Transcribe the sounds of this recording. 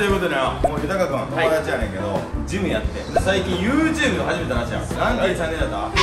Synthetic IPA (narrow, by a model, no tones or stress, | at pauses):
ojɯ̟ko̞t̪od̪ajomoːjɯ̟t̪akakɯ̃at̪ood̪at͡ɕianeŋked̪o̰d͡ʑimɯ̟jat̪ːesaikʲĩɰ̃jɯːt͡ɕɨːbɯ̟noɦaʑimet̪anaɕia̰ma̰snãnd̪eisãnːẽnd̪at̪ːa